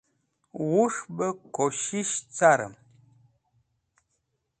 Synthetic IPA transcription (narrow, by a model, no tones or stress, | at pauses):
wuʂbəkoʃiʃt͡saɾə̰m